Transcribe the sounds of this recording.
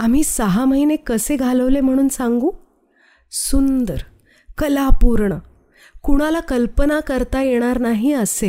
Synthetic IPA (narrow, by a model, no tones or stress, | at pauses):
am̤iːsəɦaməɦinekəseɡʱaləʋlem̤əɽ̃uːnsãŋɡuː | sund̪əɾ | kəlapuɾɳə | kuɽ̃alakəlpənakəɾt̪ajeɽ̃aɾnaɦiəse